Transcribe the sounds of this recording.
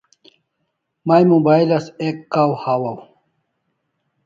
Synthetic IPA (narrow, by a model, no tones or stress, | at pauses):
majmubajlɐsekːawhawɐw